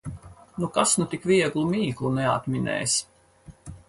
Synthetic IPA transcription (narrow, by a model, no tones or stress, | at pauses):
nukasnut̪ikvʲiɛɡlˠumiːklˠunɛa̰t̪minɛ̰ːs